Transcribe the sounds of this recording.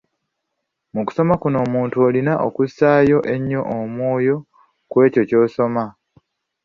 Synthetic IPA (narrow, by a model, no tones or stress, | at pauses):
muku̥so̞makuno̞ːmuːntuolinaʔokusaːjo̞ʔe̞ɲːo̞ʔːmwo̞ːjo̞ | kwe̞ːco̞co̞ːso̞ma